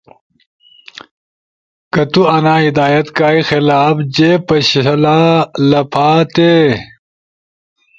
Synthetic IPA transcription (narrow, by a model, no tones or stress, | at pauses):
kɐt̪uɐnaːid̪aːjɐt̪kaːixɪlaːbd͡ʑeːpɐɕɐlaːlɐpʰaːt̪e